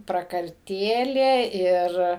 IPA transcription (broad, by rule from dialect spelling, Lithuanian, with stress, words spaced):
prɐkɐrʲˈtʲeːlʲeː ˈɪr